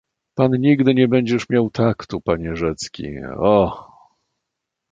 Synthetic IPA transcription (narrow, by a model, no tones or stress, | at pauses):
panɲiɡd̪ɘɲɛbɛɲd͡ʑɛʂmʲjawt̪akt̪upaɲɛʐɛt̪skʲḭɔ